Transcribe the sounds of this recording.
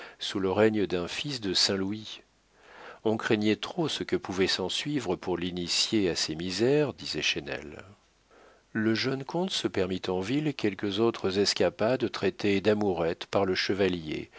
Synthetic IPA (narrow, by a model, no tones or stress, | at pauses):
suləʁɛɲd̪ɛ̃fisd̪əsɛ̃lui | ɔ̃kχɛɲɛt̪χosəkəpuvɛsɑ̃sɥivʁəpuʁlinisjeasemizɛʁd̪izɛʃɛnɛ̰l | ləʒœnkɔ̃t̪səpɛʁmit̪ɑ̃vilkʲɛlkəzot̪χəzɛskʲapad̪t̪χɛt̪ed̪amuʁɛt̪paʁləʃəvaljḛ